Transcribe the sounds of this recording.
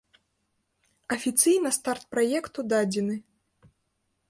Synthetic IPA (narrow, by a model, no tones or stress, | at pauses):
ɐfʲit̪sɨjn̪ɐst̪art̪̚pɾajɛkt̪ud̪ad͡zʲɛnɨ